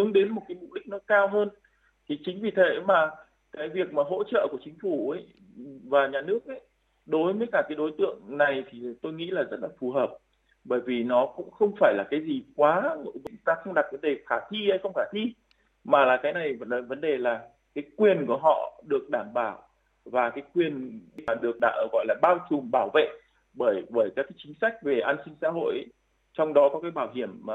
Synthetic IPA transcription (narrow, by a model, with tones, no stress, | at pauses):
hɨ˨˦əŋɗe˨˦nmo˨˩t̚kaː˨˦jmṵ˧˨ɗï˦˥k̚nɔ˨˦kaː˧wɦəː˧n | t̪ʰi˨˩t͡ɕï˨˦ŋ̟vi˨˩t̪ʰe˨˦maː˨˩ | kaː˨˦jvi˨˩ək̚maː˨˩ɦo̰˧˥t͡ɕə̰ː˧˨ku˧˩ət͡ɕï˨˦ŋ̟fu˧˩ə˨˦j | vaː˨˩ɲaː˨˩nɨ˦˥ək̚ʔə˧˦j | ɗo˨˦jvəː˨˦jkaː˧˩kaː˨˦jɗo˨˦jt̪ɨ̰˧˨əŋna˨˩jt̪ʰi˨˩t̪o˧jŋḭ˧˥laː˨˩zə˦˥t̚laː˨˩fu˨˩ɦəː˨˩p̚ | ɓəː˧˩jvi˨˩nɔ˨˦kʊ̰˧˥ŋ͡mxə˧wŋ͡mfaː˧˩jlaː˨˩kaː˨˦jzi˨˩kwaː˨˦no̰˧˥vʊ̰˧˥ŋt̪aː˧xə˧wŋ͡mɗaː˨˩t̚və˨˦nɗe˨˩xaː˧˩t̪ʰi˧hə˧jxə˧wŋ͡mxaː˧˩t̪ʰi˧ | maː˨˩laː˨˩kaː˨˦jna˨˩jvvə˨˦nɗe˨˩laː˨˩ | kaː˨˦jkwi˨˩ənku˧˩əɦɔ̰˧˨ɗɨ˨˩ək̚ɗaː˧˩mɓaː˧˩w | vaː˨˩kaː˨˦jkwi˨˩ən˧a˨˩ɗɨ˨˩ək̚ɗa˧˨˩ɣɔ̰˧˨jlaː˨˩ɓaː˧wt͡ɕu˨˩mɓaː˧˩wvḛ˧˨ | ɓəː˧˩jɓəː˧˩jkaː˨˦˥kaː˨˦t͡ɕï˨˦ŋ̟sa˦˥jk̟̚ve˨˩ʔaː˧nsï˧ŋ̟sa̰˧˥ɦo̰˧˨jʔ | t͡ɕɔ˧wŋ͡mɗɔ˨˦kɔ˨˦kaː˨˦jɓaː˧˩wɦi˧˩əmːaː˨˩